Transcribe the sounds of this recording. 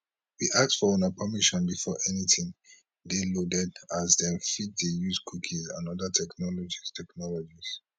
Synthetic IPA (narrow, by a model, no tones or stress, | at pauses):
wiʔak̚tfɔɔ̃napʰəmiʃɔ̃nbifɔʔɛnitĩŋ | delodɛdazdɛ̃nfit̚dejuzkʰukʰizã̰nɔdətʰɛknɔlɔd͡ʒistʰɛknɔlɔd͡ʒiz̥